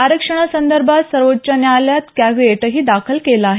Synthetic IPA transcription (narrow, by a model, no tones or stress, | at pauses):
aɾəkʂəɳ̃asənd̪əɾbʱat̪səɾʋot̪̚t͡ɕanjaljat̪kaʋeʈəɦiːd̪akʰəlkelaːɦe